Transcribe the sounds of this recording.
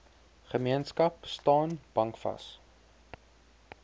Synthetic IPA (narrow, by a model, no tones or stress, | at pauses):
χəmiənskɐpstɑːnb̥ɐŋkfɐ̰s